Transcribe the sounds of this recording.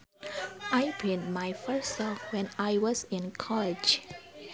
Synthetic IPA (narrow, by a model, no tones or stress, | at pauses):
ajpʰẽntmajfəsɔfwɛ̃najwɔsĩnkʰɔlɪd͡ʒ